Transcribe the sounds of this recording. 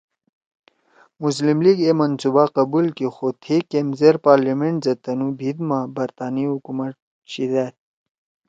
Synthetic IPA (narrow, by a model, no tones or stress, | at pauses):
mus̬limliɡemɐnsubaqɐbulkixot̪ʰikemzeɾpaːɾlimeɳʈzɐt̪ɐnubʱid̪mabɐɾt̪aːniɦukumɐʈ̚ | ɕid̪aːt̪̚